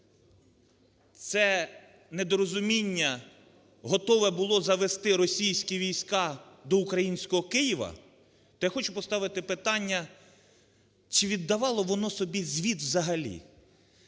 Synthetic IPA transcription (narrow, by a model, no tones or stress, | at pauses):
t̪sɛ | ned̪ɔɾɔzʊmʲinʲːɐ | ɦɔt̪ɔʋɛbʊlˠɔzɐʋest̪ɪɾɔsʲijsʲkʲiʋʲijsʲkɑd̪ɔʊkɾɐjinʲsʲkɔɦɔkɪjiʋɐ̰ | t̪ɔjaxɔt͡ʃʊpɔst̪ɑʋɪt̪ɪpɪt̪ɑnʲːɐ | t͡ʃɪʋʲid̪ːɐʋɑlˠɔʋɔnɔsɔbʲizʲʋʲid̪wzɐɦɐlʲḭ